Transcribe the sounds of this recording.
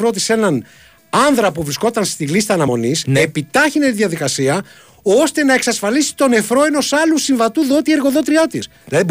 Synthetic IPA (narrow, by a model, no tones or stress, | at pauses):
ɾo̞t̪̬ise̞nɐn | ɐnðɾɐpuvɾisko̞t̪ɐnst̪ilist̪ɐːnɐmo̞nisepit̪ɐçine̞t̪iðjɐðikɐsiɐ | o̞st̪e̞nɐeksɐsfɐlisi̥t̪o̞ne̞fɾo̞e̞no̞sɐlusiɱvɐt̪uðo̞t̪ie̞ɾɣo̞ðo̞t̪ɾiot̪isðilɐðib